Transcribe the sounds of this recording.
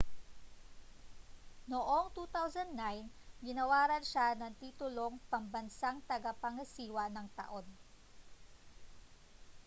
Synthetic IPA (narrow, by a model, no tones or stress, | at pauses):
noʔo̞ŋt̪uːt̪awsɐnd̪najnɡɪnɐwaːɾɐnʃanɐŋt̪iːt̪ʊlo̞ŋpɐmbɐnsaŋt̪ɐɡɐpɐŋɐsiːwɐnɐŋt̪ɐ̰ʔo̞n